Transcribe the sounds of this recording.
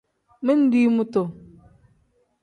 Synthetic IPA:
me˦n̩˦di˦mu˦to˨

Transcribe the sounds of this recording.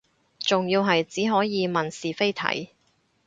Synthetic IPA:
t͡sʊ˨ŋjiː˧wɦɐ˨jt͡siː˨˥ɦɔː˨˥jiː˨˧mɐ˨nsiː˨fe˥jt̪ʰɐ̰˨˥j

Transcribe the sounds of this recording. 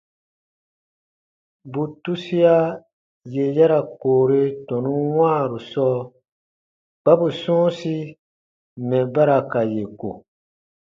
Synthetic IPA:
bu˨tu˦si˦a˦ | je˨ja˦ɾa˨koː˨ɾe˦tɔ̃˨nũ˦wãː˦˨ɾu˨sɔː˦ | ɡ͡b̥a˦bu˨sɔ̃ː˦si˦ | mɛ̃˨ba˦ɾa˧ka˨je˨ko̰˨

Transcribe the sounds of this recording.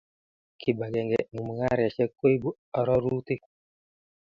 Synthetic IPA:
kʰi˨ba˨ɡɛ˨ŋɡɛ˨ŋu˨m˨ŋa˦ɾa˨t͡ʃɛ˦kːo˦i˦bu˦ | ɔ˨ɾɔ˦ɾu˦t̪i˦

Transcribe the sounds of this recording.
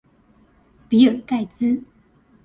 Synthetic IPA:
pi˨˥ə˨˩ka˥˧ɪt͡sɹ̩˥

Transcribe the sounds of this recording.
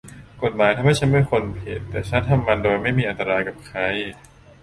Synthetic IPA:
ko˨˩t̪̚maː˩˦jt̪ʰa˧mha˥˩jt͡ɕʰa˦˥nmɯ˥˩əkʰo˧npʰḛː˨˩t̪ːɛː˨˩t͡ɕʰa˦˥nt̪ʰa˧mːa˧ndoː˧jma˥˩jmiː˧ʔa˧nt̪a˧ɾaː˧jka˨˩p̚kʰa˦˥j

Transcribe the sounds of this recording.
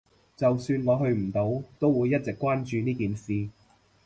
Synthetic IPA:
t͡sɐ˨wsyː˧nŋɔː˨˧ɦɵ˧ɥm̩˨˩t̪o˨˥wt̪o˥wuː˨˧jːɐ˥t̚t͡sɪ˨kːwaː˥nt͡ʃyː˧niː˥kiː˨nsiː˨

